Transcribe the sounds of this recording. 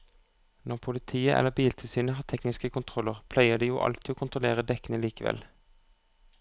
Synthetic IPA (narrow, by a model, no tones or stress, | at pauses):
nɔʁpʰʊlɪt̪ʰiːəʔɛ̰lːəbiːlt̪ʰɪlsyːnəɦɑːt̪ʰɛknɪskəkʰʊnt̪ʰʁɔlːəʁpʰlæɪəd̪iːjuːʔɑ̰lt̪ʰiːoːkʊnt̪ʁʊleːʁəd̪ɛkənəliːkəʋɛ̰l